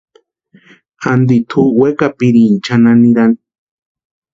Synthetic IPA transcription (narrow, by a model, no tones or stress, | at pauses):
and̪it̪ʰuwekapiɾint͡ʃananiɾani